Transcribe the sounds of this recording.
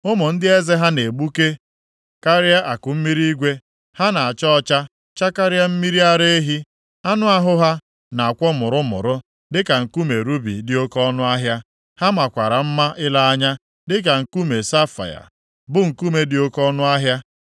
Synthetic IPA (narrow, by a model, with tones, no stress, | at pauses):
ʊ˦mʊ˨n̩˦dɪ˦e˦ze˦ɦa˦ne˨ɡ͡bu˦ke˦ | ka˦ɾɪ˦a˦ʔa˨kʊ˨m̩˦mi˦ɾi˦i˦ɡʷe˦ | ha˦na˨a˨t͡ʃɔ˦ɔ˦t͡ʃa˦ | t͡ʃa˦ka˦ɾɪ˦a˦m̩˦mi˦ɾi˦a˦ɾe˦e˦ɦi˦ | a˦nʊ˦a˦ɦʊ˦ɦa˦ | na˨a˨kʷɔ˦mʊ˨ɾʊ˦mʊ̰˨ɾʊ˦ | dɪ˦ka˨ŋ̩˨ku˦me˨ɾu˦bḭ˨dɪ˦o˦kɔ˦nʊ˦a˦ɦja˦ | ha˦ma˨kʷa˨ɾa˨m̩˦ma˦ʔɪ˦la˦a˦ɲa˦ | dɪ˦k̬a˨ŋ̩˨ku˦me˨sa˦fa̰˨ja̰˨ | bʊ˦ŋ̩˨ku˦me˦dɪ˨o˦kɔ˦nʊ˦a˦ɦja˦